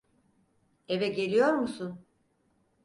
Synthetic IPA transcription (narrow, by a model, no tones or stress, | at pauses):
evɛɟe̞lʲijo̞ɾmusun